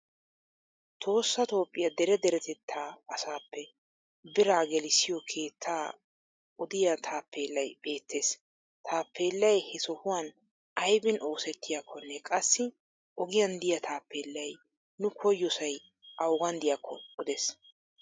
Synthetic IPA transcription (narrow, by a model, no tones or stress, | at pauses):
t̪ʰo̞ːsːɐt̪o̞ːpʼːɪjɐd̪ɛɾɛd̪ɛɾɛt̪ɛt̪ʰːaːɐsaːpːɛ | bɪɾaːɡɛlɪsɪjɔkʰe̞ːt̪ʰːaː | ʊd̪ɪjɐt̪ʰaːpːe̞ːlːɐjb̥e̞ːt̪ʰːe̞ːs | t̪ʰaːpʰːe̞ːlːɐjhɛsɔhʊwan | ʔɐjbɪnʔoːsɛt̪ːɪjakʰːɔnːɛkʼɐsːɪ | ʔɔɡɪjɐnd̪ɪjɐt̪ʰaːpːe̞ːlːɐj | nʊkʰɔjːɔsɐj | ʔɐwɡɐnd̪ɪjɐkʰːɔɔd̪ɛs